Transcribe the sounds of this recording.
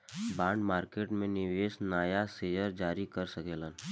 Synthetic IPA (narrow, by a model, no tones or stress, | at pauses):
baːɳɖmaːɾkeːʈmẽnɪʋeːsnaːjaseːjəɾd͡ʒaːɾikəɾsəkeːlən